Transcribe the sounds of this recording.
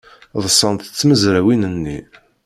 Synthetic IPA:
ðˤəsˤːənt̪ə̥t͡sːməzɾæwinənːi

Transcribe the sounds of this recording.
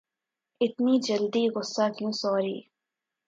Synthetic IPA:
ɪt̪niːd͡ʒəld̪iːɣʊsːaːkjũːsɔːɾḭː

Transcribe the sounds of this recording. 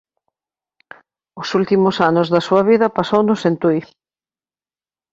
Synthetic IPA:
ʊsult̪imʊsanʊzðɐsuɐβ̞iðɐpasownʊsent̪ujθ

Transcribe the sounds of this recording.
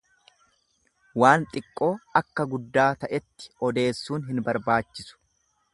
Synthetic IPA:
waːnt̪ʼɪkʼːo̞ːɐkːɐɡʊd̪ːaːt̪ɐʔɛt̪ːɪ̥ɔd̪e̞ːsːuːnɦɪnbɐɾbaːt͡ʃːɪsʊ̥

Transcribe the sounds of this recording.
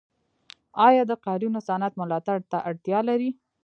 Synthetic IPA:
ɑjɑd̪əqɑɾunosanat̪mʊlɑt̪aɽt̪aʔaɽt̪jɑlaɾi

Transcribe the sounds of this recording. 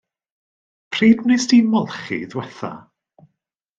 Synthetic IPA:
pʰriːdmnɨsdimɔlˠχḭðwɛθa̰

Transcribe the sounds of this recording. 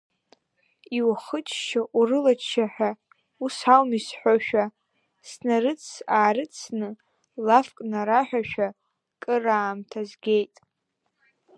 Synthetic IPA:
iwaχət͡ʃʰʼʃaʔurɨlat͡ʃʰʼʃʰaħᶣa | usalmisħʷᶣaʃᶣa | snarɨt͡sʰaːɾɨt͡sʰnɨ | lafkʼnaɾaħʷᶣaʃᶣa | kʼɨraːmtʰazɡʲe̞jtʼ

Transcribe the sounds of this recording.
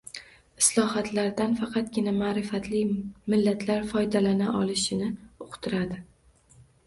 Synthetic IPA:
ɪslˠɒhat̪ʰlaɾd̪anfɑqʰɑt̪ɡʲɪnamaːɾɪfat̪ʰlɪmɪlːat̪ʰlaɾfɒjd̪alanaʔɒlˠɪʃɪnɪoqʰt̪ʰɪɾad̪ɪ

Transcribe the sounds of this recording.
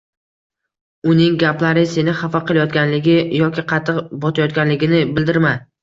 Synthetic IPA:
ʊnɪŋɡʲaplaɾɪse̞nɪχɑfaqʰɨlˠajɒt̪̚ɡʲanlɪɡʲɪjɒkʲɪqʰɑt̪ʰːɨqbɒt̪ʰajɒt̪̚ɡʲanlɪɡʲɪnɪbɪld̪ɪɾma

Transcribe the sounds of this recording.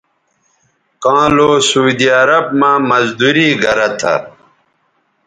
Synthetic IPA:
kãːloːsud̪iɐɾɐb̚mãːmɐzd̪uɾiːɡɐɾɐt̪ʰa̰

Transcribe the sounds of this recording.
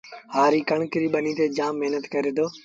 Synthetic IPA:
haːɾiːkəɳkɪɾiːɓəniːt̪eːd͡ʒãːmːeɦnət̪kəɾeːd̪oː

